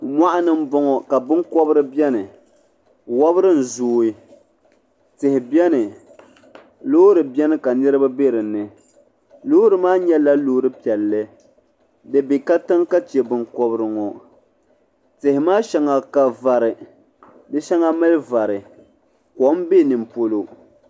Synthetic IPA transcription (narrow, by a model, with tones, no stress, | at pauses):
mʷa˦ʔa˦nɨ˦m̩˦bɔ˦ŋɔ˨ka˨bɨ˦ŋkɔ˦bɨ˦ɾɨ˦bɛ˦nɨ˨ | wa˦bɨ˦ɾɨ˦n̩˨zuː˦i˦ | tɪ˨hɪ˨bɛ˦nɨ˨ | loː˦ɾɨ˨bɛ˦nɨ˦ka˨nɨ˦ɾɨ˦ba˦be˦ɾɨ˨nɨ˨ | loː˦ɾɨ˨maː˦ɲɛ˦la˦loː˦ɾɨ˦pi˨ɛ˨lːɨ˦ | dɨ˨bi˨ka˦tɨ˦ŋka˦t͡ʃɛ˨bɨ˨ŋkɔ˦bɨ˦ɾɨ˨ŋɔ˨ | tɪ˨hɪ˨maː˦ʃɛ˦ŋa˨ka˨va˨ɾɨ˨ | dɨ˦ʃɛ˦ŋa˦mɨ˦lva˨ɾɨ˨ | kɔ˨˦m˦be˦˨nɨ˨m˨po˦lo˦